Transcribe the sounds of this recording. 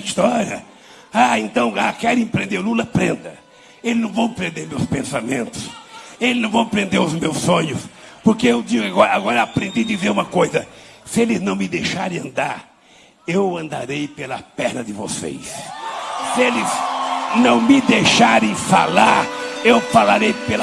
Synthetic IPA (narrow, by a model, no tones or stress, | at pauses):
ist̪ɔɾiɐ̰ | aẽnt̪ɐ̃w̃akɛɾẽj̃pɾẽnd̪elulɐpɾẽnd̪ɐ | elɪznɐ̃w̃vɐ̃w̃pɾẽnd̪eɾmewspẽsamẽnt̪ʊ̥selɪznɐ̃w̃vɐ̃w̃pɾẽnd̪eɾʊzmewsõɲʊspoɾkeewd͡ʒiɡʊaɡɔɾɐaɡɔɾɐapɾẽnd̪ijd̪izeɾũmɐkojzɐsɪelɪznɐ̃w̃mɪd̪ejʃaɾẽɐ̃nd̪aɾ | ewɐ̃nd̪a̰ɾejpelɐpɛɾnɐd̪ɪvo̰sḛjs | sɪelɪznɐ̃w̃mɪd̪ejʃaɾẽj̃fa̰laɾewfalaɾejpelɐ